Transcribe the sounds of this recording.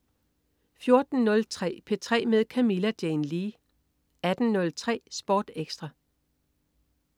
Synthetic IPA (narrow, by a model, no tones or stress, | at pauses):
fjo̝ɐd̥n̩ːɔ̽lt͡sʰʁɛ̰ːpʰe̝t͡sʰʁɛ̰ːmeð̞ˠkʰæmilæd̥jenliː | æd̥n̩nɔ̽lt͡sʰʁɛ̰ːsb̥ɒːd̥eɡ̥sd̥ʁɑ